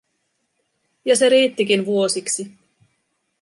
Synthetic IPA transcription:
jɑse̞ɾiːt̪ːikinʋuo̞siksi

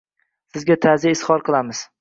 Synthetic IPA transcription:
sɪzɡʲat̪ʰazijɪsχɒɾqʰɨlˠamɪz̥

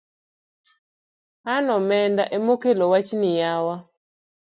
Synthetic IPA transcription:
anɔmɛndaʔemokelowat͡ʃnɪjawa

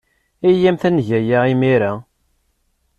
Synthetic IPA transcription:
ijæmθænʝæjaimiɾa

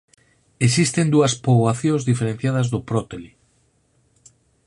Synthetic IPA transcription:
es̬ist̪end̪uɐspoβaθjõzðifeɾẽnθjaðazðopɾot̪eli

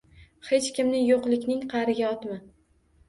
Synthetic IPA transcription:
he̞t͡ʃkʲɪmnɪjoqlˠɪkʲnɪŋqʰɑɾɪɡʲaɒt̪ma

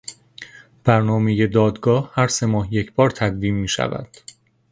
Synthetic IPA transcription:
b̥æɾnɒːme̞je̞d̪ɒːd̪ɡɒːhhæɾse̞mɒːhjecʰb̥ɒːɾt̪ʰæd̪viːmːiːʃæ̰væ̰d̪̥

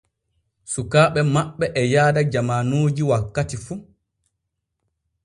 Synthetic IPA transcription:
sukaːɓɛmaɓːɛʔɛjaːdad͡ʒamanoːd͡ʒiwakːatifu

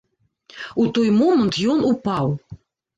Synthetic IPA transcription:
ut̪ɔjmɔmənt̪jɔnupɑw

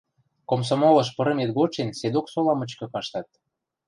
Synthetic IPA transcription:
koms̬omolɤ̆ʃ̬pɤ̆ɾə̆met̪ɣot͡ɕensed̪oksolɑmə̆t͡ɕkɤ̆kɑʃt̪ɑt̪̚

